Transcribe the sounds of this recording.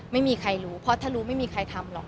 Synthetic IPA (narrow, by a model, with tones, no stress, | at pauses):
ma˥˩jmiː˧kʰa˧jɾuː˦˥pʰɔ˧˥t̪ʰaː˥˩ɾuː˦˥ma˥˩jmiː˧kʰa˧jt̪ʰa˧mlɔ̰˨˩k̚